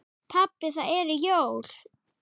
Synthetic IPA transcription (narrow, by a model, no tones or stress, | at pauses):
pʰapːɪθaðɛɾɪjoːwl̥